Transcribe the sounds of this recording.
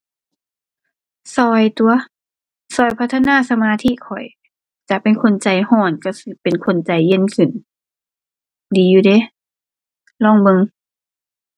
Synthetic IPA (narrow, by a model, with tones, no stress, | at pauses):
sɔː˧˩jt̪u˧ɐ | sɔː˧˩jpʰa˧˥t̪ʰːa˧naː˧˥˨sa˧maː˧t̪ʰi˧˥˨kʰɔ˨˩j | t͡ɕa˨˧˩pe˨nkʰo˧˥˨nt͡ɕa˧jhɔː˧˩nka˧˩sɯ˧˦pe˨nkʰo˧˨nt͡ɕa˧jːe˧˥˨nkʰɯ˧˩˨n | diː˨˦juː˧de˧˦ | lɔː˧˥˨ŋbɤ˧ŋ